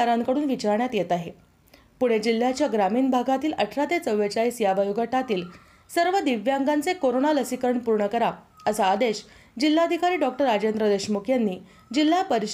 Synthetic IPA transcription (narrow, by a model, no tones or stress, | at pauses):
aɾaŋkəɽuːnʋit͡ɕaɾɳjat̪jet̪aɦe | puɽ̤̃ed͡ʑil̤ːjat͡ɕjaɡɾamiːnbʱaɡʱat̪iːləʈʰɾat̪et͡səʋːet͡ɕaiːsjaʋajoɡaʈat̪iːl | səɾʋəd̪iʋjaŋɡant͡sekoɾoɳaləsikəɾəɳpuɾɳəkəɾa | əsaːd̪eɕ | d͡ʑilːad̪ʱikaɾiːɖɔk̚ʈəɾad͡ʑend̪ɾəd̪eɕmukʰjanːiː | d͡ʑil̤ːapəɾiɕ